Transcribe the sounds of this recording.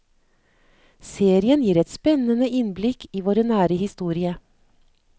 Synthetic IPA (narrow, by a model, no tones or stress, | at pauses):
seːɾɪənjiːɾɛt̪spɛnənəʔɪnblɪkʰiːʋoːɾənæːɾəhɪst̪uːɾɪə